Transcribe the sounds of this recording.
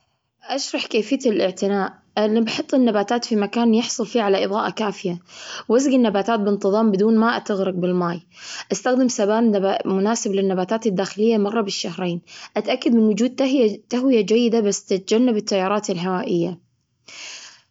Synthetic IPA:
ʔaʃɾˤɑħkeːfɪjːat̪ɪlʔɪʕt̪ɪnaːʔ | libɑħɨt̪ˤːɪnːabaːt̪aːt̪fimakaːnjɪħsˤʊlfiːʕalaʔɨðˤɑːʔakaːfɪjawazɡɪnːabaːt̪aːt̪̚bɪnt̪ɨðˤɑːmbɪd̪uːnmaʔat̪aɣɾɑɡ̚bɪlmaːj | ʔast̪axd̪ɪmsabaːnmʊnaːsɪblɪnːabaːt̪aːt̪ad̪ːaːxɪlɪjːamɑrˤːɑbɪʃːahɾeːnʔat̪ʔakːad̪mɪnwʊd͡ʒuːd̪̚t̪t̪ːaɦwɪjad͡ʒajːɪd̪abasːt̪ɪt̪̚d͡ʒanːabɪt̪ːajːɑːɾˤɑːt̪ɪlɦawaːʔɪjːa

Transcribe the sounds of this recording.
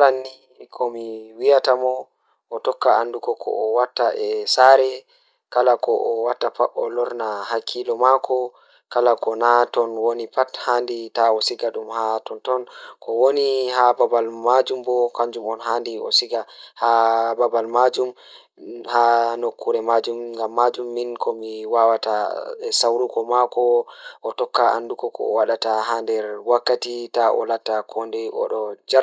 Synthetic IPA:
aɾanːi | kʰɔmiwijatamɔ | ʔɔtɔkːaandukɔkʰɔ̰ːwatːaʔɛsaɾɛ | kalakɔʔɔwatːapaɓɔlɔɾnahakʰilɔmakʰɔ | kalakɔnatɔnwonipathanditaɔsiɡaɗumhatɔntɔnkʰɔwonihababalmad͡ʒumbɔkaɲd͡ʒumɔnɦandiɔ̰siɡahababalmad͡ʒum | hanokʰːuɾɛmad͡ʒumŋɡamːad͡ʒumːinkʰɔmiwawataɛsawɾukɔmakɔʔɔtɔkːaa̰ndukɔkɔ̰waɗataɦandɛɾwakːatitaʔɔ̰latːakʰɔndɛɔ̰ɗɔd͡ʒaɾ

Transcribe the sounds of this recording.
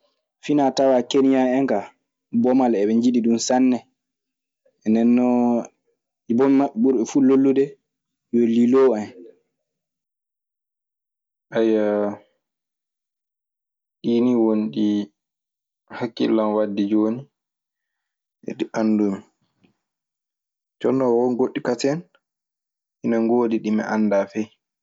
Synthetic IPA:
finatawakenijaɛŋka | bɔmalɛɓɛɲd͡ʒiɗiɗunsanːɛ | ɛndɛnːɔ | ibɔmimaɓɛɓuɾɛfulolːudɛ | joliloan | ʔajːa | ɗiːniwonɗi | hakːḭlːanwadːid͡ʒoni | ɛ̰ɗiʔanːdumi | t͡ʃɔnːɔwɔnɡoɗːikatɛn | hinaŋɡoːdiɗimɛ̰ʔanːdafɛj

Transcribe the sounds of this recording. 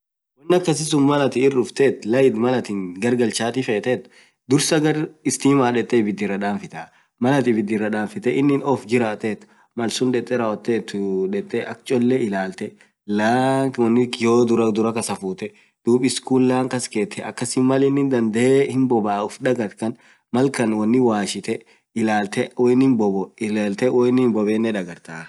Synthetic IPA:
wɔnːɐkːɐsɪs̬ʊnmɐlɐt̪ɪɪrːʊft̪eːt̪lɐjɪd̪mɐlɐt̪ɪŋɡɐɾɡɐlt͡ʃaːt̪ɪfeːt̪et̪ː | d̪ʊɾsɐɡɐɾɪst̪iːmaːᶑɛt̪ʼːɛːbɪd̪ːɪrːɐᶑaːnfɪt̪aː | mɐlɐt̪ɪbɪd̪ːɪrːɐᶑ̪aːnfɪt̪ɛʔɪnːɪnɔfd͡ʒɪɾaːt̪eːt̪ | mɐlsʊnᶑ̪ɛt̪ʼːɛɾɐwɔt̪ːeːt̪ːʊᶑɛt̪ʼːɛʔɐkt͡ʃʼɔlːɛɪlaːlt̪ɛ | laːwɐnːɪjoːd̪ʊɾɐd̪ʊɾɐkɐsɐfuːt̪ɛ | d̪̥uːpʼɪskuːlːaːŋkɐskeːt̪ʰːɛɐkːɐsɪnmɐlɪnːɪnd̪ɐnd̪ɛehɪmbɔbaːʊfᶑɐɡɐt̪kɐn | mɐlkɐnwɐnːɪwaːʃɪt̪ɛ | ɪlaːlt̪ɛwɔnːɪnbɔbɔlaːlt̪ɛwɔnːɪnbɔbeːnːɛᶑɐɡɐɾt̪aː

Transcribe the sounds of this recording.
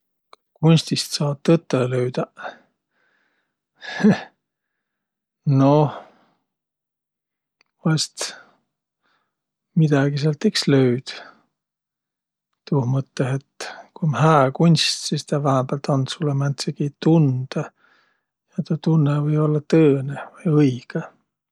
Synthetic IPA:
kunʲst̪ist̪sɑːd̪̚t̪ːɤt̪ːˑeløyd̪̥ɑ | no | vɑst̪ | mid̪̥ɑɡ̥iseɑlt̪ːeksløyd̪̥ | t̪uhmɤt̪ːeɦet̪kumhæːkunʲst̪sist̪ɑvæhemb̥eælt̪onsulːemænt̪sekit̪und̪̥ɑ | jɑt̪ɑt̪unːevɤjo̞lːɑt̪ɤːnevɯjɤjɡ̥e

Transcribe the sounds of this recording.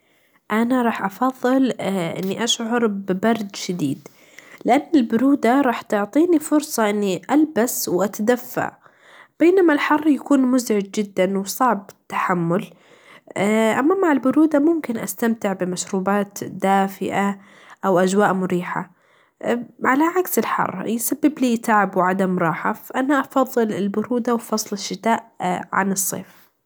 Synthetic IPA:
ʔanaɾˤɑːħʔɑfɑðˤːɨlʔɪ̰nːiʔaʃʕɑɾˤbɪbɑɾˤd̪ʃad̪ḭːd̪ | lɪʔanːɪlbʊɾuːd̪aɾˤɑːħt̪ʊʕt̪ˤiːnifʊɾsˤɑʔɪnːiʔalbaswʔat̪ad̪afːa̰ʕ | b̥eːnamalħɑrˤːjakuːnmʊzʕɪd͡ʒd͡ʒɪd̪ːanwɪsˤɑʕb̚t̪ːḁħamːʊl | ʔamːamːaʕɪlbʊɾuːd̪amʊmkɪnʔast̪amt̪ɪʕbɪmaʃɾuːbaːt̪d̪aːfɪ̰ʔa | ʔawʔad͡ʒwaːʔmʊɾiːħa̰ | ʕalaʕaksɪlħɑ̰rˤːjsabːɪbliːt̪aʕbwʕad̪amɾˤɑːħa̰fʔanaʔɑfɑðˤːɨlɪlbʊɾuːd̪awfɑsˤlɪʃːɪt̪aːʔʕa̰nɨsˤːḛːf

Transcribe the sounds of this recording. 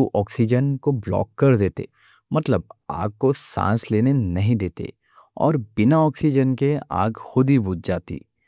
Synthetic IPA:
uʔɔːksid͡ʒənkoblɔ̰ːkːɐɾd̪eːt̪ḛ | mɐt̪ləb̚aːɡ̚kosã̰ːsleːnenɐɦĩd̪eːt̪ḛ | ɔ̰ːɾbɪnaɔːksid͡ʒənkea̰ːɡxʊd̪ibʊd͡ʒd͡ʒaːt̪ḭː

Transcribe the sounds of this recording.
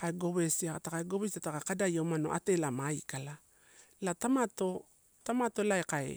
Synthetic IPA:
kaeɡo̞βe̞siatakaeɡo̞βesiatakakadajamano̞̰ʔa̰te̞lamaikala | latamato̞ | tamato̞laekaḛ

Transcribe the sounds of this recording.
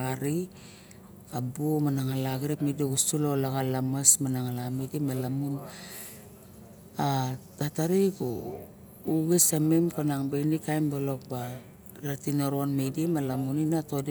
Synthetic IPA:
aɾi | kabumanaŋalaɡɾekmidiɡustulolaɣalamasmanaŋalamidimalamun | atataɾiko | uɡisamimkanaŋbenikajmbalo̞k̚ba | ɾatinoɾonmedimalamuninatod

